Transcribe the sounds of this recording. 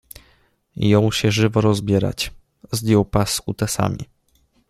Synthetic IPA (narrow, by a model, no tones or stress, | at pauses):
jɔ̃w̃ɕɛʐɘvɔɾɔzbʲjɛɾa̰t͡ɕ | zd̪jɔwpasut̪ɛsa̰mʲḭ